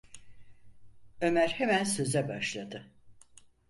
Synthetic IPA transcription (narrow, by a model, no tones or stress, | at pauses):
ø̞mæɾhemænsø̞zɛbaʃlˠad̪ɯ